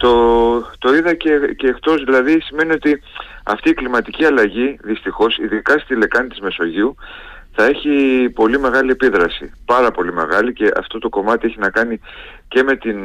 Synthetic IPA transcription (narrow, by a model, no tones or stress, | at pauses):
t̪o̞t̪o̞iðɐceceːkt̪o̞zðilɐðisime̞nio̞t̪iɐ̰ft̪iːklimɐt̪iciɐlɐʝiðist̪ixo̞siðikɐst̪ile̞kɐnit̪izme̞so̞ʝiu | θɐe̞çipo̞lime̞ɣɐlie̞piðɾɐsipɐɾɐpo̞lime̞̰ɣɐlice̞ʔɐ̰ft̪o̞t̪o̞ko̞mɐt̪ieçinɐkɐni | ce̞me̞t̪in